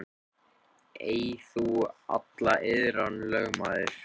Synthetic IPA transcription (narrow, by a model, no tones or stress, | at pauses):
ejθua̰t̪laʔɪðɾanlœɣmaːðɪɾ̥